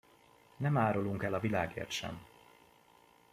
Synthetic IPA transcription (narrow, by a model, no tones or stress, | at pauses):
nɛmaːɾoluŋkɛlɒvilaːɡḛːrt̪ʃɛ̰m